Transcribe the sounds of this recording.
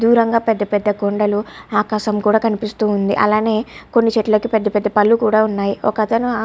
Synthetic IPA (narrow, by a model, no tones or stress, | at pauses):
d̪uːɾɐŋɡaːpɛd̪ːɐpɛd̪ːɐɡoɳɖɐluaːkaːʃɐmkuːɽaːkɐnipist̪uːnd̪ḭʔɐ̰laːne̞ːko̞nːit͡ʃɛʈːulɐkipɛd̪ːɐpɛd̪ːɐpɐlːukuːɽaːunːaːjiɔkɐt̪ɐnua